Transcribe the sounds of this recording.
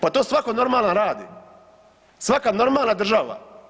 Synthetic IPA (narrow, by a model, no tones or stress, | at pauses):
pat̪oːsʋakono̞ɾmaːlanɾaːd̪ḭ | sʋakano̞ɾmaːlˠnad̪r̩ʒaʋa̰